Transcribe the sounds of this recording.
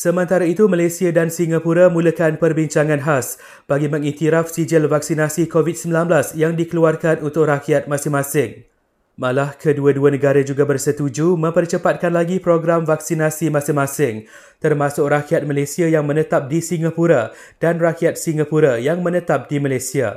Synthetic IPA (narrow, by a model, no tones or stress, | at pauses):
səmə̃nt̪aɾait̪umalasiadansiŋapuɾamũləkanpərbiɲt͡ʃaŋãnɦas | b̥aɡimə̃ŋit̪iɾafsid͡ʒəlvak̚sinasikovit̪̚səmbilanblasjaŋdikəluarkanunt̪ʊk̚rakiat̪̚mãsɪŋmãsɪŋ | malahkʰəduaduanə̃ɡaɾad͡ʒuɡabərsət̪ud͡ʒumə̃mpərt͡ʃəpat̪̚kanlaɡipɾoɡɾamvaksinasimãsɪŋmãsɪŋ | t̪ərmãsʊkrakiat̪̚malasiajaŋmə̃nə̃t̪ap̚disiŋapuɾa | d̥anrakiat̪̚siŋapuɾajaŋmə̃nə̃t̪ap̚dimalasia̰